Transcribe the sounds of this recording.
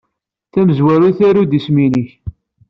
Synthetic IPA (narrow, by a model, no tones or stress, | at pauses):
θæməzwæɾuθæɾud̪isminiç